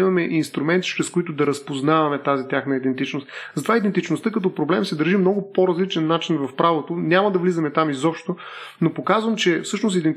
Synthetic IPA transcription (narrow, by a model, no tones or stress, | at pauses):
imɐmɛʔinst̪ɾumɛnt̪i̥t͡ʃɾɛskʊit̪ʊd̪ɐɾɐspoznavɐmɛt̪azit̪ʲjaxnɐid̪ɛnt̪it͡ʃnost̪zɐt̪ovaid̪ɛnt̪it͡ʃnʊst̪ɤkɐt̪ɔpɾoblɛmsɛd̪əɾʒimnɔɡʊpoɾɐzlit͡ʃɛnːat͡ʃinvɐfpɾavot̪oʊnʲamɐd̪ɐvlizɐmɛt̪amizɔpʃtt̪onopokazvəmt͡ʃɛfsɤʃnost̪id̪ɛnt̪